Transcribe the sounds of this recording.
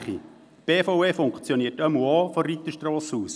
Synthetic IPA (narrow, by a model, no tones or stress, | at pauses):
χḭ | b̥eːfoʊeːfʊŋkt͡sjɔniːətœmuɔːfɔrit̪əʃtrɔːshuːs